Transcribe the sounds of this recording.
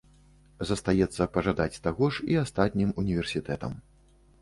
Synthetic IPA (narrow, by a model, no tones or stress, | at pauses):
zɐst̪ajɛt̪sːɐpɐʐad̪at͡sʲt̪aɣɔʂiast̪at̪ʲnʲimunʲivʲɛrsʲit̪ɛt̪ɐ̰m